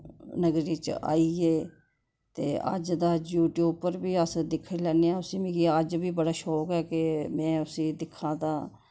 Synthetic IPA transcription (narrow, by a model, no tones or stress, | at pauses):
nəɡɾiːt͡ʃa̰ːiːeː | t̪ḛːə̰d͡ʒd̪aːd͡ʒjuːʈjuːpːəɾbiːəsd̪ɪkʰːiːlɛːneːãːʊsĩːmĩːɡiːəd͡ʒbiːbəɽaːʃɔːkɛːkɪmɛ̃ːʊsĩːd̪ɪkʰːãːd̪aː